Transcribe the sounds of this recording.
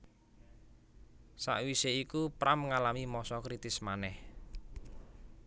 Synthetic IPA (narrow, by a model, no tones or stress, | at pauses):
sa̰ʔwiseikupɾamŋalamimɔsɔkɾit̪ɪsmanɛh